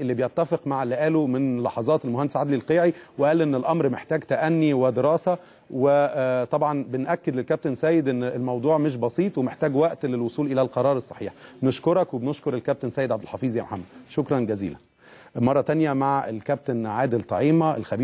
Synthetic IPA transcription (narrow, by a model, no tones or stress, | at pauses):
ʔelːibejet̪ːæfeqmaʕlːeʔæːlomenlːɑħɑzˤɑːt̪elmohænd̪esʕad̪lilqeːʕiweʔæːlʔenːelʔɑmɾmeħt̪æːɡt̪æʔænːiwed̪eɾɑːsæ | wet̪ˤɑbʕɑnbenʔækːed̪lelkæb̚t̪ensæːjed̪ʔenːlmɑwd̪ˤuːʕmeʃ̬bɑsˤiːt̪ˤwemeħt̪æːɡwæʔt̪lelwosˤuːlʔelælqɑɾˤɑːɾˤesˤːɑ̥ħiːħbneʃkoɾˤɑkwebnoʃkoɾˤelkæb̚t̪ensæːjed̪ʕabd̪elħɑfiːzjæːmoħamːæd̪ʃokɾˤɑnɡæzḭːlæ̰n | mɑrˤːɑt̪ænjæmaʕelkæb̚t̪enʕaːd̪elt̪ˤɑ̰ʕiːmæḛlxæbiː